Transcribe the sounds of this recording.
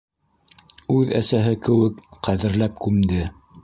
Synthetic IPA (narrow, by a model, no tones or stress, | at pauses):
ʉðæ̰sæɦɘkɘ̆wɘkqæðɘ̆ɾlæp̚kʉmd̪ɘ